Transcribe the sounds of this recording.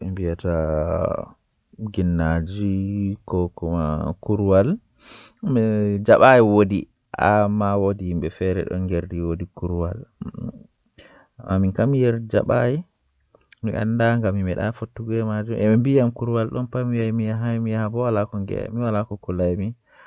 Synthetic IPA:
ʔɛmbijata | ɡinːad͡ʒikɔkɔma̰kuɾwal | mɛd͡ʒaɓajiwodi | ʔa̰mːawodihimɓɛfɛɾɛ̰ɗɔ̰nɡeɾdiwodikuɾwa̰l | amːaminkamjɛɾd͡ʒa̰ɓaji | miʔa̰ndaŋɡamːimɛɗa̰fotːuɡɛmad͡ʒumʔɛmimbijamkuɾwalɗɔnpamijajmijaɦajmijabɔwalakɔŋɡɛ̰miwalakɔkulajmi

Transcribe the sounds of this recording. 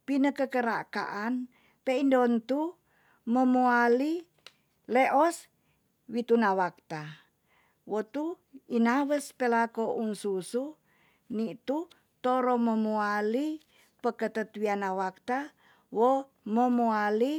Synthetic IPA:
pinəkəkəɾa̰ka̰ʔan | peindont̪u | məmuali | leʔɔs | wit̪unawak̚t̪a | wot̪u | inawəspəlakoʔunsusu | nit̪u | t̪oɾoməmuali | pəkət̪ət̪wianawak̚t̪a | wo | məmuali

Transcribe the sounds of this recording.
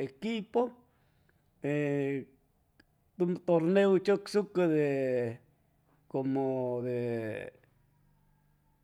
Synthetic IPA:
ekipo | e | t̪umt̪oɾnewt͡ʃoksukad̪e | komod̪e

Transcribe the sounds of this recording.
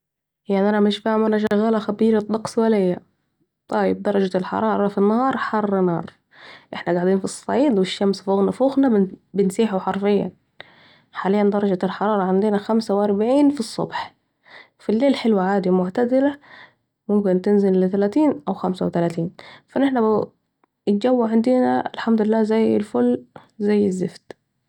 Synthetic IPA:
jaʕniʔænæmɪʃfaʕmænæʃ̬æɣæːlæxæbiːɾɑt̪ˤːɑqswælɪjːæ | t̪ˤɑjːɪb̚d̪ɑɾˤɑd͡ʒalħɑ̰ɾˤɑːɾˤɑfinːɑhɑːɾˤħɑrˤːnɑ̰ːɾˤ | ʔeħnæɡaʕd̪iːnfisˤːɑiːd̪wɪʃːæmsfoːɣnafoɣnæbɪnsiːħuħɑɾˤfɪjːæ̰ | ħaːlejːænd̪ɑɾˤɑd͡ʒælħɑɾˤɑːɾˤɑʕend̪ɪnæxæmsæwʔɑɾˤbʕiːnfisˤːo̰bħ | filːeːlħelwæʕaːd̪imʊʕt̪æd̪ɪlæ | mʊmkɪnt̪ɪnzɪlːɪt̪ælæːt̪iːnʔæwxæmsæwt̪ælæːt̪iːnfæneħnæb | ɪt̪̚d͡ʒæwːaʕand̪ɪnæ̰ʔɪlħamd̪ʊlɪlːæːzæjːɪlfʊlːzæjːɪzːɪfd̪

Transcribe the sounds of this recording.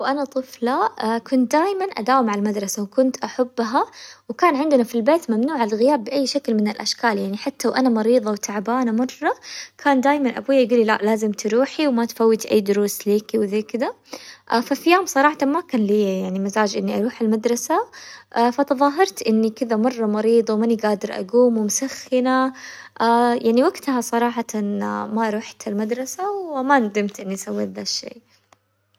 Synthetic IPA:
wʔanat̪ˤɨflakʊnt̪̚d̪aːjmanʔa̰d̪aːwmaʕalmad̪ɾˤɑsawkʊnt̪ʔaħabːɦawkaːnʕɪnd̪nafilbeːt̪mamnuːʕalɪlɣɪjaːbːɪʔajːʃaklmɪnɪlʔa̰ʃkaːljaʕniħat̪ːawʔanamɑɾiːðˤɑwt̪ʰaʕbaːnamɑrˤːɑkʰaːnd̪aːjmanʔa̰bujːajɡuːlːila̰ʔlaːzɪmt̪ʰɾuːħiwmat̪fawːɪt̪ʔa̰jːd̪ʊɾuːsliːkiwðeːkɪd̪a | fafijaːmsˤɑɾˤɑːħɑt̪amakaːnliːjajaʕnimazaːd͡ʒʔɪnːiʔɑɾˤuːħalmad̪ɾˤɑsaʔfat̪ɨðˤɑːɦɑɾˤt̪ʔɪnːikɪðamɑrˤːɑmɑɾiːd̪ˤɑwmaniɡaːd̪ɪɾʔa̰ɡuːmʊmʊsaxːɪnaʔajaʕniwaɡt̪hasˤɑɾˤɑːħɑan̰maʔɑɾˤuːħt̪ʰalmad̪ɾˤɑsawmand̪ɪmt̪ʔɪnːiʔasawːiðaʃːḛː

